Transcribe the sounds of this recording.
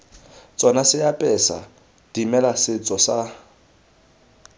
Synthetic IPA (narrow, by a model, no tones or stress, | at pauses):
t͡sʼɔnasɪjapʼɛsa̰ | d̥imɛlasɪt͡sʼɔsa